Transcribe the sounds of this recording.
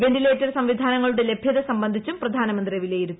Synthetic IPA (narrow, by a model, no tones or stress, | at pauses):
ʋe̞ndileːtːɐrsɐmʋid̪ʱaːnɐŋːɐɭuɽe̞le̞bʱjɐðɐsɐmbɐnd̪ʱit͡ɕːumprɐd̪ʱaːnɐmɐnd̪riɐʋileːjiɾunː